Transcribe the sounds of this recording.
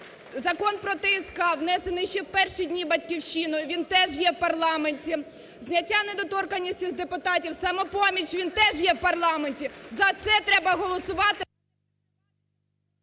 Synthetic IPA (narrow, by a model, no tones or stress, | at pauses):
zɐkɔnpɾɔt̪ɪiskɑwnɛsenɪjʃt͡ʃɛwpɛrʃidʲnʲibɐtʲkʲiwʃinɔjʊʋʲint̪ɛʒjɛwpɐrlˠɑmenʲtʲi | znʲɐtʲːaned̪ɔt̪ɔrkɐnʲːisʲtʲizd̪epʊt̪ɑtʲiwsɑmɛpɔmʲit͡ʃʋʲint̪ɛʒjɛwpɐrlˠɑmenʲtʲizɐt̪sɛt̪ɾɛbɐɦɔlˠɔsʊʋɑt̪ɪ